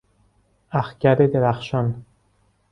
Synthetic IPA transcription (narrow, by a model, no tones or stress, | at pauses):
æxcæɾed̪eɾæxʃɒn